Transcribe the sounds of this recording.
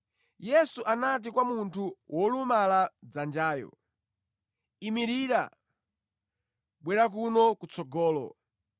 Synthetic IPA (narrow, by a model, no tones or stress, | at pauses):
jɛsuʔanat̬ikwamuntʰuwʔɔlumalad͡zand͡ʒaːjɔ̰ | imiɾiːɾa̰ | ɓwɛɾak̬unɔkut͡sɔɡɔːlɔ̰